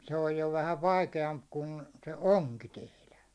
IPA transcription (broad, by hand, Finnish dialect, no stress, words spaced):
se oj jo ʋæhæʋ̆ ʋɑikeɑmp kun se oŋki tehlæ